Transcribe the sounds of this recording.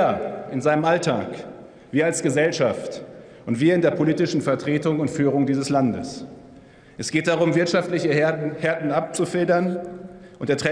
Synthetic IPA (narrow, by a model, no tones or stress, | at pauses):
ɐɪnzaɪnəmʔaltʰa̰ːk | v̥iːɐalsɡ̥əzɛlʃaft | ʔʊntv̥iːɐɪndeːɐpʰoliːtɪʃn̩fɛɐtʁ̥eːtʊŋʊntfyːʁ̞ʊŋdiːzəslandə̰s | ʔɛsɡ̥eːt̚d̥aʁʊmvɪɐtʃaftlɪçəhɛɐtn̩ap̚t͡sufɪldɐn | ʔʊnteɐtʁ̥ɛ